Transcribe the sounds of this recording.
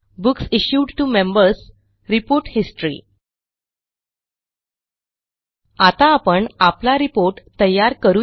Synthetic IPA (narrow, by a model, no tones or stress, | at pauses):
buksiɕjuɖʈumẽmbəɾs | ɾipoɾʈhisʈɾḭː | at̪aːpəɳaplaɾipoɾʈt̪əjaɾkəɾu